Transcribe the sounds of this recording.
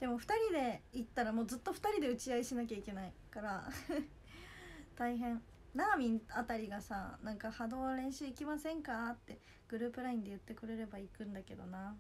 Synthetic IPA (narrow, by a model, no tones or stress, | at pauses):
d̪̥e̞mo̞ɸɯ̟̥t̪aɾʲid̪e̞it̪ːaɾamoːd͡zɨt̪ːo̞ɸɯ̥t̪aɾʲid̪e̞ɯ̟t͡ɕiaiɕinak̬ʲaikʲe̞naikaɾa | t̪aiɦẽ̞ɴ | naːmʲĩnat̪aɾʲiɡasanãŋkahad̪o̞ːβaɾẽ̞ɰ̃ɕɨːikʲimasẽ̞ŋkat̪ːe̞ | ɡ̥ɯ̟ɾɯ̟ːpɯ̟ɾaĩnd̪e̞jɯ̟t̪ːe̞kɯ̟ɾe̞ɾe̞baikɯ̟̃nd̪ake̞d̪o̞̰na